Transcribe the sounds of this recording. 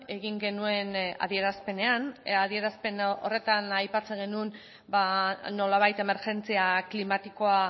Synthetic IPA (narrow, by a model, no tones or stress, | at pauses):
e̞ɣiŋɡe̞nue̞na̰ðie̞ɾaspe̞ne̞anaðie̞ɾaspe̞nore̞t̪anajpat͡se̞ŋɡe̞nun | bano̞laβ̞ajt̪e̞me̞ɾʝe̞nt͡siaklimat̪iko̞a